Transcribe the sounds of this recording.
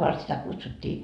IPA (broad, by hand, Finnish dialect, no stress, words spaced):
ʋɑrt sitæ kutsutʲːiː